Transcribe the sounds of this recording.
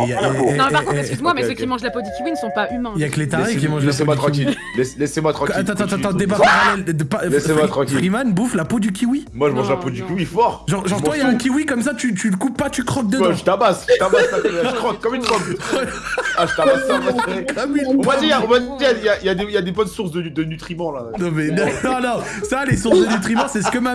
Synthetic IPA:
jãpaʁkɔ̃t̪ɛskʲyzmwamɛsəkimɑ̃ʒlapod̪ykʲiwinəsɔ̃paʔymɛ̃jaklet̪aʁek̬ʲimɑ̃ʒɛsemwat̪χɑ̃kil | lɛslɛsemwat̪χɑ̃kkat̪ɑ̃t̪ɑ̃t̪ãɑ̃d̪eb̬aʁaɛld̪əpalɛsemwat̪χɑ̃kpiʁimanbuflapod̪ykʲʰiwimwaʒəmɑ̃ʒlapod̪ykʲiwifɔʁʒɑ̃ʁʒɑ̃ʁt̪wajaɛ̃kʲiwikɔmsat̪yt̪ylkupːat̪ykχɔ̃k̚d̪əaʒət̪abasʒət̪abasakɔaʒkχɔ̃kːɔmyntχɔ̃k | aʒət̪abasafaʁekʰɔminmad̪iaɔ̃vad̪d̪iaijaijad̪eijad̪ebɔnsuʁsd̪əd̪ənyt̪χimɑ̃lanɔ̃mɛnɔ̃nɔ̃ | salesuʁsd̪ənyt̪χimɑ̃sɛsə̥kəma

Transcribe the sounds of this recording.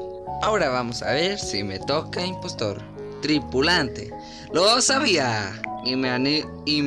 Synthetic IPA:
aoɾaβamosa̰βeɾsimet̪okaimpost̪o̰ɾ | t̪ɾipulant̪ḛ | losaβiaimeani | i

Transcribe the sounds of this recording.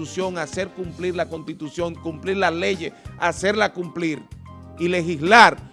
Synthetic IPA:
usjo̞ŋase̞ɾkumpliɾlakonst̪it̪usjoŋkumpliɾlasleʝease̞ɾlakumpliɾ | ilexislaɾ

